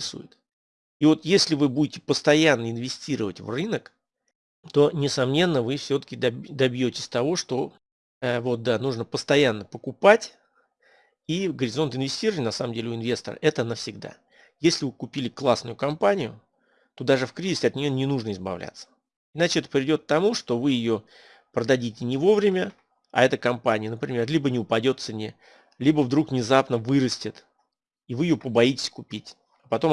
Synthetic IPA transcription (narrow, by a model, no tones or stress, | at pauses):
ɪsṵjɪt̪ | ivo̞t̪jesʲlʲɪvɨbudʲɪtʲɪpəst̪ɐjanːəɪnvʲɪsʲtʲiɾəvətʲvrɨnək | t̪o̞nʲɪsɐmnʲe̞nːəvɨfsʲot̪ə̥kʲɪd̪ɐbd̪ɐbjotʲɪ̥sʲt̪ɐvo̞ʂt̪o̞ | vo̞t̪̚d̪anuʐnəpəst̪ɐjanːəpəkʊpatʲ | iɡəɾʲɪzo̞nt̪ɪnvʲɪsʲtʲiɾəvət̪ʲnɐsaməmdʲelʲɪʊɪnvʲe̞st̪ə̰rə̰ʔɛt̪ənəfsʲɪɡ̚d̪a̰ | jesʲlʲɪvɨkʊpʲilʲɪklˠasnʊjʊkɐmpanʲɪjʊ | t̪o̞d̪aʐɨfkɾʲizʲɪsʲɪɐt̪nʲɪjo̞nʲɪnuʐnəɪzbɐ̰vlʲʔa̰t̪sə̥ | ɪnat͡ɕɪɛt̪ə̥pɾʲɪɪdʲo̞t̪k̚t̪ːɐmuʂt̪o̞vɨjɪjo̞ | pɾəd̪ɐdʲitʲɪnʲɪvo̞vɾʲɪmʲə | a̰ɛt̪əkɐmpanʲɪjənəpɾʲɪ̰mʲe̞rlʲibənʲɪʊpɐdʲo̞t̪sɨnʲe | lʲibəvd̪ɾukvnʲɪzapnəvɨɾəsʲtʲɪt̪ | ivɨjɪjopəbɐjitʲɪ̥sʲkʊpʲitʲ | ɐpɐt̪o̞